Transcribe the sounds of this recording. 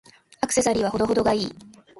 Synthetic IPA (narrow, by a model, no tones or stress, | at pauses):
akɯ̥se̞saɾʲiβ̞aho̞d̪o̞ɦo̞d̪o̞ɡaiː